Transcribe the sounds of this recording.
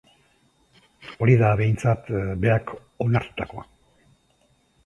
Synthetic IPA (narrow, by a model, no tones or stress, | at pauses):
o̞ɾiðaβe̞jnt͡sat̪be̞akʰ | o̞naɾt̪u̥t̪ako̞a